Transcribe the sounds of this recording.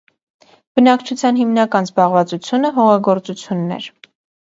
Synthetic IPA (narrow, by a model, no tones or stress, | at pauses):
b̥ənɑkt͡ʃʰut͡sʰjɑnɦimnɑkɑnzbɑʁvɑt͡sut͡sʰjunəɦɔʁɑɡɔɾt͡sut͡sʰjunːɛ̰ɾ